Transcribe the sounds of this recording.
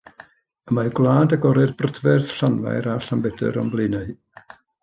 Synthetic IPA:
əmaɡlˠaːdaɡɔɾɨrbrədvɛrθɬanva̰jɾaɬambɛdə̰ɾɔ̰mblˠɨnaɨ

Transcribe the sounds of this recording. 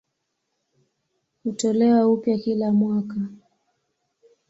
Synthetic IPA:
hutɔlɛwaupjakilamwaka

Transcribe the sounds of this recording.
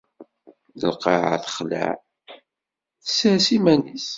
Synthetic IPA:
əlqɑʕa̰θχlæ̰ʕ | θə̥səsimænis

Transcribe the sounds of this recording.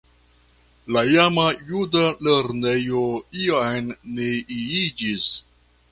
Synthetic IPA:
lajamajudaleɾnejoiajnːeiid͡ʒis

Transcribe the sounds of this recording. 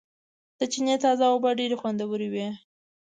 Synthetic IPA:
d̪̥ət͡ʃinet̪ɑzaobaɖeɾexwand̪awəɾiwe

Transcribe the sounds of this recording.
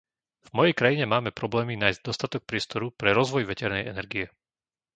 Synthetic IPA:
vmɔjɛjkɾajiɲɛmaːmɛpɾɔblɛːminaːjzɟ̚d̪ɔst̪at̪ɔk̚pɾɪɛst̪ɔɾupɾɛɾɔzʋɔjʋɛcɛɾnɛ̰jʔɛ̰nɛɾɡiɛ

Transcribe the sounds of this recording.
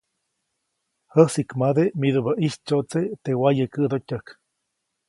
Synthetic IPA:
həsikmad̪emiðuβaʔit͡ʃoʔt͡set̪ewajekəʔd̪ot̪ʲək

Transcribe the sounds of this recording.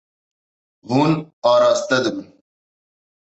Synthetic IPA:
ɦunɑːɾaːst̪ɐd̪bun

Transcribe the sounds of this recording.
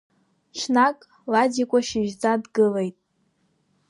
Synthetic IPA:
t͡ʃʷʰnakʼ | ladikʷʼaʃɪʒd͡zadɡɨle̞jtʼ

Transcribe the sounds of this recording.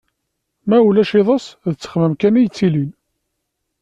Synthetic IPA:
mæulæʃiðˤɑsðt͡sːə̥χməmkænijt͡sːilin

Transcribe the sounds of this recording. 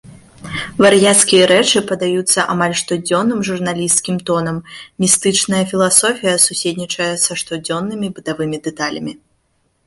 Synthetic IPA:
varjat̪skʲijɐɾɛt͡ʂɨpɐd̪ajut̪sːɐʔamalʲʂt̪ɔd͡zʲɔnːɨmʐurnalʲist̪kʲimt̪ɔnɐmmʲist̪ɨt͡ʂnɐjɐfʲilˠasɔfʲijɐsusʲedʲnʲit͡ʂɐjɛsɐʂt̪ɔd͡zʲɔnːɨmʲibɨt̪avɨmʲid̪ɛt̪alʲɐ̰mʲi

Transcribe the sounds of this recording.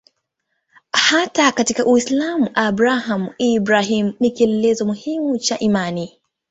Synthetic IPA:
hatakatikaʔuislamuʔabɾahamibɾaɦim̩nikiɛlɛlɛzɔmuhimut͡ʃaʔimani

